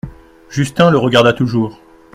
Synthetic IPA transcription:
ʒyst̪ɛ̃ləʁəɡaʁd̪at̪uʒuːʁ

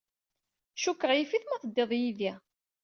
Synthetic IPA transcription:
ʃukːəʁjifiθmæθəd̪ːeðˤjiði

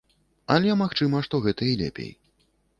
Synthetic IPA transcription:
ɐlʲɛmaxt͡ʂɨmɐʂt̪ɔɣɛt̪ɐilʲɛ̰pʲḛj

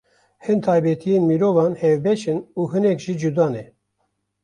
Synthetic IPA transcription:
hɨnt̪ʰɑːjbɛt̪ʰijeːnmiɾoːvɑːnhɛvbɛʃɨnuːɦɨnɛkʒid͡ʒud̪ɑːnɛ

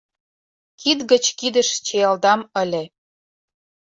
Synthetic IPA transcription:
kid̪ɣət͡ɕkid̪əʃt͡ɕeɑld̪ɑməlʲĕ

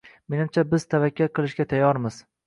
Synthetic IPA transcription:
me̞nɪmt͡ʃʰabɪz̥t̪ʰavakʲːaɾqʰɨlˠɪʃɡʲat̪ʰajːɒɾmɪz̥

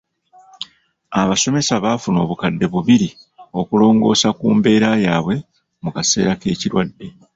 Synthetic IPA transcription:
aβaso̞me̞saβafuno̞̰ːβukadːe̞βuβiɾi | o̞kulo̞ːŋɡo̞̰ːsakuːmbe̞ːɾajaːβwe̞ | mukase̞̰ːɾake̞ːciɾwadːe̞

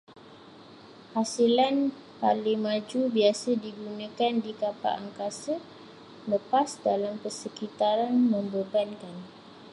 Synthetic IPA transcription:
hasilan | paliŋmãd͡ʒubiasədiɡunə̃kandikapa̰ʔaŋkasə | ləpasdalampəsəkit̪aɾanmə̃mbəbankan

